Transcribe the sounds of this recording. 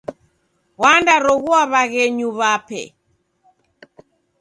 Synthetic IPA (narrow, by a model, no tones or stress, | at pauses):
wandaɾɔɣuaβaɣɛɲuβapɛ̰